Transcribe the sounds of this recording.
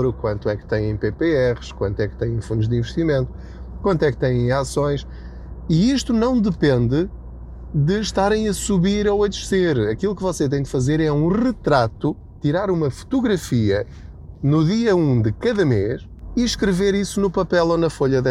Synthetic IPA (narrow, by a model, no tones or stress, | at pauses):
ɾukwɐ̃nt̪uwɛkt̪ɐ̃j̃ẽj̃pepeɛʁɨʃkwɐ̃nt̪wɛk̚t̪ɐ̃j̃j̃fũnd̪uʒd̪ĩvɨʃt̪imẽnt̪u̥ | kwɐ̃nt̪wɛk̚t̪ɐ̃jẽj̃asõj̃ʃ | iiʃt̪unɐ̃w̃d̪ɨpẽnd̪ɨ | ðɨʃt̪aɾɐ̃j̃ɐsuβiɾowɐd̪ʃseɾɐkilˠukɨvɔset̪ɐ̃j̃d̪fɐzeɾɛũʁɨt̪ɾat̪u | t̪iɾaɾumɐfu̥t̪uɣɾɐfiɐ | nuðiɐũd̪ɨkɐðɐmeʃ | iʃkɾɨveɾisunupɐpɛlˠonɐfoʎɐðɛ